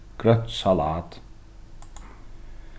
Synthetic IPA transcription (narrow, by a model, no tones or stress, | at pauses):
ɡ̥ɾœt̪sɑlaːt̪